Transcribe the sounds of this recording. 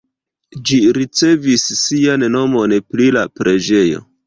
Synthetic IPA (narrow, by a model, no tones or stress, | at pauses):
d͡ʒiɾit͡se̞visːianno̞mo̞npɾilapɾe̞d͡ʒe̞jo̞̰